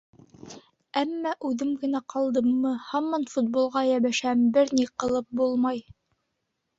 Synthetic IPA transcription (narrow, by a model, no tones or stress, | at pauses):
æmːæʔʉðɘmɡɘ̆næqɑlˠd̪ɤmːɤhɑmːɑnfut̪̚bolˠʁɑjæβæʃæmbɘɾniqɤ̆lˠɤp̚bulˠmɑj